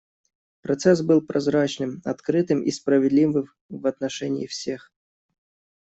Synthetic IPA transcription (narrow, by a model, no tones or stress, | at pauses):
pɾɐt̪sɛsbɨlˠpɾɐzɾat͡ɕnɨmɐt̪kɾɨt̪ɨmʔḭspɾəvʲɪd̪lʲivɨm | vɐt̪nɐʂɛnʲɪ̰ɪfsʲex